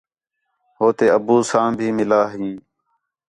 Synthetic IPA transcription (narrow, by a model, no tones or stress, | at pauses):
ɦoːt̪eːəbuːsãːbʱiːmɪlaːɦĩː